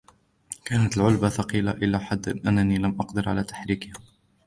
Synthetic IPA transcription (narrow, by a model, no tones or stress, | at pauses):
kaːnat̪ɪlʕʊlbaθɑqiːlaʔɪlːaːħad̪ːɪnʔanːaniːlamʔɑqd̪ɪɾʕa̰laːt̪ḁħɾiːkɪh